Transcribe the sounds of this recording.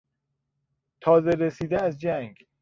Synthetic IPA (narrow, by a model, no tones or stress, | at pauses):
t̪ʰɒːze̞ɾesiːd̪eæzd͡ʒæŋɡ